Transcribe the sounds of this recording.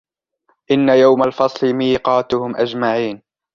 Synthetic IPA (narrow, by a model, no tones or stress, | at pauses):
ʔɪnːajawmalfɑsˤlɪmiːqɑːt̪ʊhʊmʔad͡ʒmaʕiːn